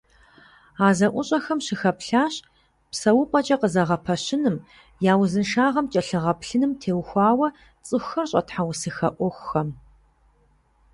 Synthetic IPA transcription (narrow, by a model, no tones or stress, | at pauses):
aːzɐʔʷʊɕʼɐxɐmɕɪxɐpɬaːɕ | psɐwʊpʷʼɐt͡ʃʼɐqəzɐʁɐpʰɐɕɪnɨm | jaːwzɨnʃaːʁɐmt͡ʃʼɐɬɨʁɐpɬɨnɨmtʰeːwxʷɑːwɐ | t͡sʼɨxʷxɐrɕʼɐ̰tħawsɨxɐ̰ʔʷɔxʷxɐm